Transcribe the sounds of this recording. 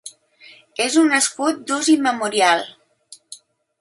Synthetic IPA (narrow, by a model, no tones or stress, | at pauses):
ezunːəskut̪̚d̪uziməmuɾialˠ